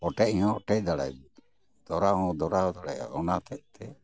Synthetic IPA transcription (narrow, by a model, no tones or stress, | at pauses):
ɔʈɛʔiɲɔ̃ɔʈɛjd̪aɽa̰j | d̪̥ɔɾaɦɔ̃d̪ɔɾaɦɔd̪aɽaj̰ɔnat̪ɛʔ̚t̪ʰɛ